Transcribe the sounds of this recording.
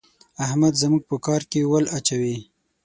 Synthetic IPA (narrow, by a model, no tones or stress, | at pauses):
ahmad̪zəmuɡ̚pəkɑɾkewəlat͡ʃawi